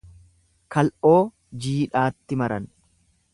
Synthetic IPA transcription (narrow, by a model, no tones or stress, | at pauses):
kɐlʔo̞ː | d͡ʒiːᶑaːt̪ːɪmɐɾɐn